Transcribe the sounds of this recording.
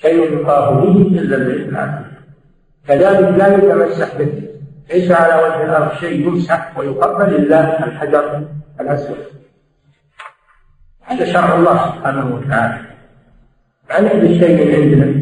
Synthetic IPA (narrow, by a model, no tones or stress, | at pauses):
kajajʊt̪ˤːɑːɦʊbihʔazːalbɪnalʔa̰ːfɪ | kaðaːlɪklajat̪amasːaħbɪhileːʃʕalawad͡ʒhɪlɑɾˤʃeːʔjʊmsaħwɪjʊqabːalʔɪlːaɪlħad͡ʒɑɾˤʔɪlʔaswa̰d̪ | haːðaʃɑɾˤʕɑlˤːɑːhsʊb̥ħaːnahwat̪aʕaːla | bʔanɪd̪aʃːeːʔmɪːnʕɪnd̪na